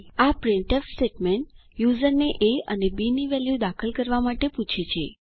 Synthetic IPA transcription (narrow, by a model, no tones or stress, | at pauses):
apɾɪ̃ɳʈefseʈmeɳʈjuzəɾneʔeənebiniʋɛljud̪akʰəlkəɾʋamaʈeput͡ʃʰit͡ʃʰe